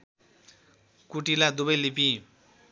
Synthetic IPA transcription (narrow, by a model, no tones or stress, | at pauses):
kuʈilad̪ubʌjlipi